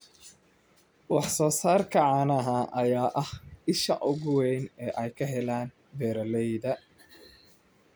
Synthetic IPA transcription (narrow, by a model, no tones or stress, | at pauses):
wɑħsɔːsaːrkʰɐʕɑːnɐɦaʔɐjaːʔɐhɪʃɐ̰ʔʊɣʊwɛjnɛːʔɛjkʰɐɦɛlaːn | bɛːɾɐlɛjðɐ